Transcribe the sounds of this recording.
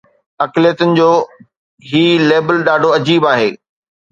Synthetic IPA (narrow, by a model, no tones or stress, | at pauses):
ɐklijət̪ʊnɪ̆d͡ʑoː | ɦiːleːbəlɗaːɖʱoɐd͡ʑiːbaːɦeː